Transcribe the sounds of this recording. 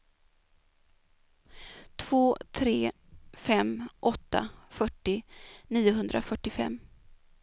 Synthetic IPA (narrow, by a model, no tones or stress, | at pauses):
t̪ʰv̥oːt̪ʰɾeː | fɛmʔɔt̪ːa̰fœʈːɪniːʊɦɵnd̪ɾʔafœʈːɪfɛ̰mː